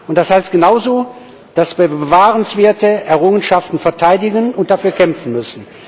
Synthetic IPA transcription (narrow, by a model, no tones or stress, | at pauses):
ʊntd̥ashaɪst̚ɡ̥ənaʊzoː | d̥asb̥əvaːʁənsv̥eːɐtəʔɛɐʁʊŋənʃaftn̩fɛɐtʰaɪdɪɡənʊnt̚d̥afyːɐkʰɛmfn̩mʏsn̩